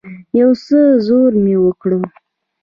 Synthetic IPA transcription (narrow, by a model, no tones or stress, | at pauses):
jawsəzoɾmewəkɽu